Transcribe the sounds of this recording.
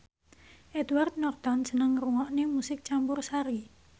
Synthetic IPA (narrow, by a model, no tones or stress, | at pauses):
ʔɛt̪wart̪̚nɔrt̪ɔnsənəŋruŋɔʔnemusɪk̚t͡ʃampʊrsaɾi